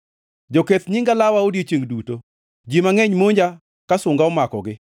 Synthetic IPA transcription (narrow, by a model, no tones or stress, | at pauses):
d͡ʒoket̪ɲiŋɡalawaodet͡ʃeŋduto | d͡ʒimaŋeɲmoɲd͡ʒa | kasʊŋɡaɔmakɔɡɪ